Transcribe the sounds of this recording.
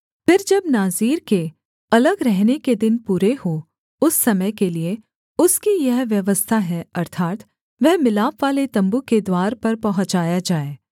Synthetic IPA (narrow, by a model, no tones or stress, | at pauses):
fɪɾd͡ʒɐbnaːziːɾke | ɐləɡɾɛɦneked̪ɪnpuːɾeho | ʊsːɐməjkelie | ʊskijɐɦʋjɐʋəst̪ʰaɦɛɐɾt̪ʰaːt̪ | ʋɛɦmɪlaːpʋaːlet̪ɐ̃mbuked̪waːɾpɐɾpɐɦə̃t͡ʃaːjad͡ʒaːeː